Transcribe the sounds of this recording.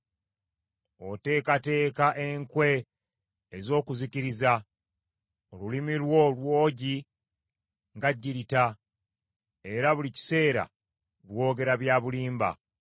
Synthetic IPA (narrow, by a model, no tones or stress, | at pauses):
o̞te̞ːkate̞ːkaʔe̞ŋkwe̞ː | zo̞ːkuziciɾiza | olulimilwo̞lwo̞ːɟi | ŋɡaɟːiɾita | e̞ɾaβulici̥se̞ːɾa̰ | lwo̞ːɡe̞ɾaβjaβuliːmba̰